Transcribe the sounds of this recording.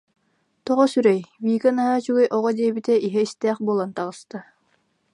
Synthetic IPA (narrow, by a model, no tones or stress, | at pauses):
t̪ɔʁɔsyɾɛjviːkanaɦaːt͡ɕyɡɛjʔɔʁɔd̪iɛbit̪ɛʔiɦɛist̪ɛːχbulˠant̪aʁɯst̪a